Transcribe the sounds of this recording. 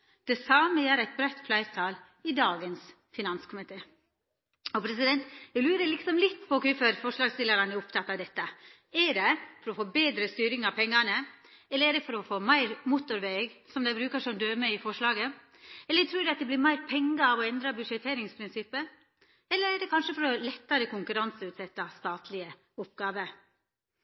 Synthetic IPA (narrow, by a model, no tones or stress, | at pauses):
d̪̥ɛsɑːməjæːɾæɪt̪̚bɾæt̪ːflæɪɾt̪ʰɑːl | ɪd̪ɑːɡəns | fɪnɑnskʰʊmɪt̪ʰeː | ɔpʰɾɛsɪd̪ɛnt̪ɛɪɡlʉːɾəlɪksɔmlɪt̪ːpʰɔkʉfəɾfɔʂɭɑːɡst̪ɪləɾɑnɛɾʊpt̪ʰɑt̪ːɑʋd̪ɛt̪ːə | ɛɖɛfɔɾɔfoːbeːd̪ɾəst̪yːɾɪŋɑʋpʰɛŋːɑnə | ɛlːəɾɛɖɛfɔɾɔfoːmæɪɾmuːt̪ʊɾʋeːɡsɔmd̪æɪbɾʉːkəʂɔmd̪øːməɪfɔʂlɑːɡə | ɛlːət̪ʰɾʉːɖɛɑt̪̚d̪ɛblɪɾmæɪɾpʰɛŋːəɑʋɔɛnd̪ɾɑbʉʂɛt̪ʰːeːɾɪŋspʰɾɪnsɪpːə | ɛlːəɾɛɖɛkʰɑnʂəfɔɾɔlɛt̪ːɑɾəkʊŋkʉɾɑnsəʉːt̪sɛt̪ːɑst̪ɑːt̪ʰlɪə | ʊpɡɑːʋə